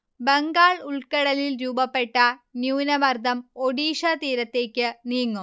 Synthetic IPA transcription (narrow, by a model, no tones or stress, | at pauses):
beŋɡaːɭuɭkɐɽɐlilɾuːbɐpːe̞ʈːɐnjuːnɐbɐrd̪ʱɐmoɽiːʂɐt̪iːɾɐt̪ːe̞ːkʲːɨniːŋːu